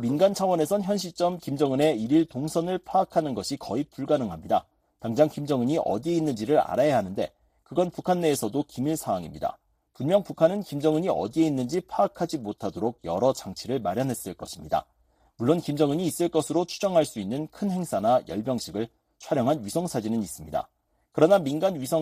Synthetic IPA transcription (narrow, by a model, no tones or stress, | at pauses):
minɡant͡ɕʰawʌne̞sʰʌnçjʌnɕ̬ʰit͡ɕ͈ʌmkimd͡ʑʌŋɯne̞iɾiɭtoŋsʰʌnɯɭpʰaːkʰanɯnɡʌɕʰikʌip͈uɭɡanɯŋɦamɲida̰ | taŋd͡ʑaŋkimd͡ʑʌŋɯɲiʔʌ̰die̞inːɯnd͡ʑiɾɯɾa̰ɾajaɦanɯnde̞̰ | kɯɡʌnpukʰanːe̞ːsʰʌdokimiɭsʰaaŋimɲida̰ | punmjʌŋpukʰanɯnkimd͡ʑʌŋɯɲiʔʌ̰die̞inːɯnd͡ʑipʰaːkʰad͡ʑimotʰadoɾoɡ̚jʌ̰ɾʌd͡ʑaŋt͡ɕʰiɾɯɭmaɾjʌnɦe̞s͈ɯɭk͈ʌɕʰimɲida̰ | muɭːonkimd͡ʑʌŋɯɲiːs͈ɯɭk͈ʌsʰɯɾot͡ɕʰud͡ʑʌŋɦaɭs͈uinːɯnkʰɯnhe̞ŋsʰanajʌɭbjʌŋɕʰiɡɯɭ | t͡ɕʰwaɾjʌŋɦanɥisʰʌŋsʰad͡ʑinɯnis͈ɯmɲida̰ | kɯɾʌnaminɡanɥisʰʌ